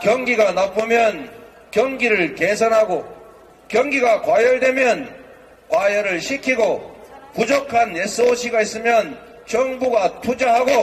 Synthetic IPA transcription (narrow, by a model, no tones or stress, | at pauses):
kjʌŋɡiɡanapʰɯmjʌn | kjʌŋɡiɾɯɭkesʰʌnɦaɡo | kjʌŋɡiɡakwajʌɭdwe̞mjʌn | kwajʌɾɯɭɕʰikʰiɡopud͡ʑokʰanes͈ɯoɕʰiɡais͈ɯmjʌn | t͡ɕʌŋbuɡatʰud͡ʑaɦaɡo